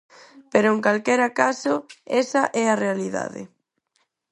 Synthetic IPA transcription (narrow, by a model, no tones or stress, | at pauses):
peɾoeŋkalkɛɾakasoɛsaʔɛarealiða̰ðɪ̰